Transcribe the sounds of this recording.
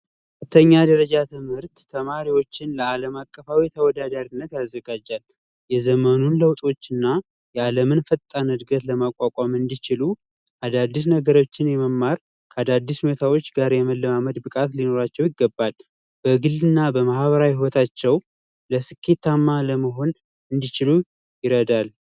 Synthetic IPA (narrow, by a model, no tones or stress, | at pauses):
ɨt̪ʰːəɲːad̪əɾəd͡ʒat̪ʰɨmhɨɾt̪ːʰəmaɾiwo̞t͡ʃːɪnləaləmakʼːəfawit̪ʰəwɔd̪ad̪aɾinːət̪jazːəɡad͡ʒal | jɛzəmənunləwt̪ʼo̞t͡ʃːɪnːa | jɛaləmɨnfət̪ʼːanɨd̪ɡət̪ləmakʷʼakʷʼamɨnd̪it͡ʃɪlu | ʔad̪ad̪ːis̬nəɡəɾo̞t͡ʃːɪnjɛməmːaɾ | kʰəad̪ad̪ːishunet̪ʰawo̞t͡ʃːɡaɾjɛməlːəmaməd̪bɨkʼat̪lino̞ɾat͡ʃːɛwjɪɡːəbːal | b̥əɡɨlːɨnːabəmahβəɾawhiwɔt̪ʰat͡ʃːɛw | ləsɨkʰːe̞t̪ːamːaləməɦo̞n | ɨnd̪it͡ʃɪlu | jɪɾəd̪al